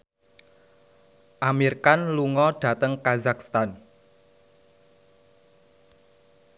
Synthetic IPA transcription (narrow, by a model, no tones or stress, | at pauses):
ʔamirkanluŋɔɖ̥ä̤t̪əŋkazakst̪an